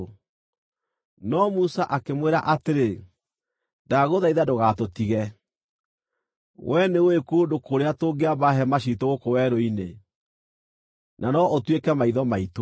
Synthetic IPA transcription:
nɔmusaʔakemweɾa̰ʔateɾe | daɣoðaiðadoɣatotiɣɛ | wʔɛnewekodokoɾeatoːɡeabaɦɛmaɕitoɣokowɛɾoine | nʔanɔʔotwekɛmaiðɔmaito

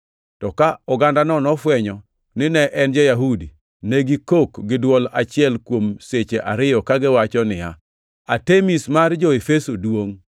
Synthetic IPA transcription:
tɔkaɔɡandanɔnɔfwɛɲɔ | nɪnɛʔɛnd͡ʒɛjaɦudi | neɡikokɡɪdwɔlat͡ʃɪɛlkwomset͡ʃeʔaɾɪjɔkaɡɪwat͡ʃɔnɪja | atemismard͡ʒɔefesodwoŋ

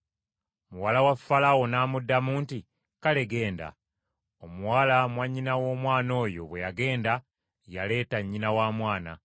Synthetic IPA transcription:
muwalawafːalawo̞naːmudːamuːnti | kale̞ɡe̞ːnda̰ | omuwaːlamwaɲːinawo̞ːmwaːno̞ːjo̞̰βwe̞jaɡe̞ːnda | jale̞ːtaɲːinawaːmwaːna̰

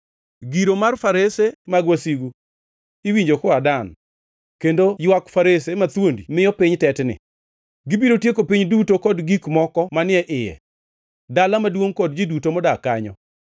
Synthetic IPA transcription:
ɡiɾomarfaɾesemaɡwasiɡu | iwiɲd͡ʒokɔadan | kendojwakfaɾesemat̪wondimɪjɔpɪɲtɛtnɪ̰ | ɡɪbiɾotjekopiɲdutokɔdɡikmɔkɔmanɪɛʔɪjɛ̰ | dalamadwoŋkɔdd͡ʒidutomɔdakaɲɔ̰

